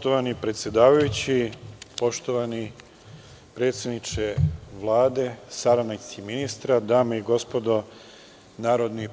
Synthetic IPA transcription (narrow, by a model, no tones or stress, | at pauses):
t̪oʋanipɾe̞t̪sʲjed̪aːʋajut͡ɕipo̞ʃt̪o̞ʋani | pɾe̞ːt̪sjed̪nit͡ʃeʋlˠaːd̪e̞saɾanasiminist̪ɾad̪aːmeiɡo̞spo̞d̪o̞ | naːɾod̪ni